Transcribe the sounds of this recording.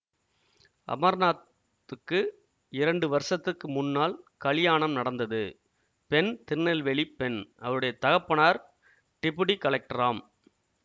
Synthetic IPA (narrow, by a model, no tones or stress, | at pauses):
ʔɐ̰mɐɾnaːt̪ː | ɯkːɯ | ɪɾɐɳɖɯʋɐɾsɐt̪ːɯkːɯmʊnːaːlkɐɭɪjaːɳɐmnɐɽɐnd̪ɐðɯ | pɛnt̪ɪɾnːɐlʋɛɭipːɛnʔɐʋɐɯɽɐjɐt̪ɐɣɐpːɐɳaːɾ | ʈɪpːɯɽikɐɭɐk̚ʈɐraːm